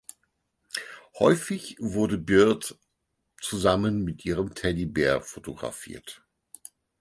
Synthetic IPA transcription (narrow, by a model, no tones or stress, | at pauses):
hɔʏfɪçvʊɐdəbɪɐt | t͡suzamənmɪtʔiːʁəmtʰɛdibɛɐfotoɡʁa̰fḭːɐt